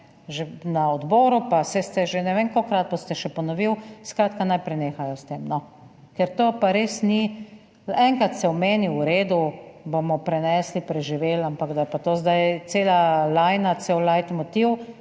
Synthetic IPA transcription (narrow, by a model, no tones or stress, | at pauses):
ʒenaɔd̪bɔːɾupasɛst̪ɛʒenɛʋeŋkokɾat̪̚bost̪ɛʃɛpɔnɔʋiwskɾaːt̪kanajpɾɛneːxajɔst̪eːmnɔ | kɛɾt̪oːpaɾeːsni | ɛŋkɾat̪sɛɔmeːniwɾeːd̪ubomɔpɾɛnɛːslipɾɛʒiʋeːlampaɡd̪ajɛpat̪oːzd̪ajt̪seːlalajnasewlajt̪mɔt̪iw